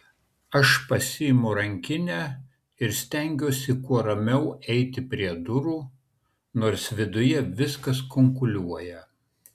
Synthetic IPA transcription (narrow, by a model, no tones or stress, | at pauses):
ɐʃpɐsʲɪɪmʊɾɐŋʲkʲɪnʲæ | ɪɾsʲt̪ʲæˑŋʲɡʲuːsʲɪkuɔɾɐmʲɛʊɛɪt̪ʲɪpʲɾʲiɛd̪ʊɾuː | noːɾsʋʲɪd̪ʊjɛʋʲɪskɐskɔŋkʊlʲuɔjɛ